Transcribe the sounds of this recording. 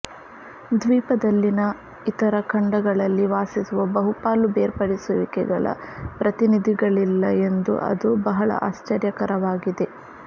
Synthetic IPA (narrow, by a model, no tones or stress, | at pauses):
d̪ʋiːpɐd̪ɐlːinɐ | it̪ɐɾɐkʰɐɳɖɐɡɐɭɐlːiʋaːsisuʋɐbɐɦupaːlubeːɾpɐɽisuʋikɛɡɐ̰ɭɐ̰pɾɐt̪inid̪ʱiɡɐɭilːɐe̞nd̪ṵʔɐ̰d̪ubɐɦɐɭɐ̰ʔa̰ːst͡ʃɐɾjɐkɐɾɐʋaːɡid̪e̞